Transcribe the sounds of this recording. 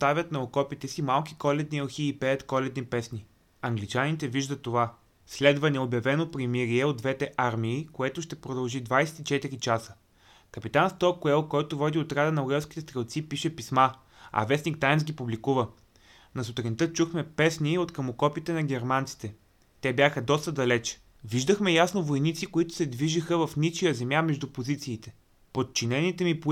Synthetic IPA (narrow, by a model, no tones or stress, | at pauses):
st̪avʲɐt̪nɐokɔpit̪ɛsimalˠkʲi̥kɔlɛd̪̚nioxiːpɛɐt̪kɔlɛd̪nipɛsni | ɐŋɡlit͡ʃanit̪ɛviʒd̪ətt̪ːova | slɛd̪vɐnɛobjɐvɛnopɾimiɾiɛod̪vɛt̪ɛʔaɾmiːkoɛt̪ʊʃt̪ɛpɾod̪ɐlˠʒid̪vajsɛ̥t̪it͡ʃɛt̪iɾit͡ʃasə | kɐpit̪anst̪ɔkuɛlˠkɔjt̪ovɔd̪iot̪ɾad̪ənɐʊɛlˠskʲit̪ɛst̪ɾɛlˠt̪sipiʃɛpisma | ɐ̰vɛsnik̚t̪ajnsɡʲipublikuvə | nɐsʊt̪ɾɛnit̪ɤt͡ʃuxmɛpɛsniot̪kɐmokɔpit̪ɛnɐɡʲɛɾmant̪si̥t̪ɛ | t̪ɛbjaxəd̪ɔst̪əd̪ɐlɛt͡ʃ | viʒd̪əxmɛjasnovojnit̪sikoit̪ʊ̥sɛd̪viʒixəvɐfnit͡ʃijəzɛmjamɛʒd̪upozit̪siːt̪ɛ | pot̪̚t͡ʃinɛnit̪ɛmip